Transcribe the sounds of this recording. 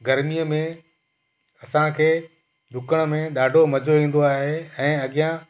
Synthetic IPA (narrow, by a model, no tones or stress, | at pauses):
ɡɐɾmijəmẽ | ɐsãkʰeː | ɗʱʊkəɽ̃ə̆mẽɗaːɖʱomɐd͡ʑʱoʋĩːn̆d̪oaːɦeɛ̃ːɐɠijã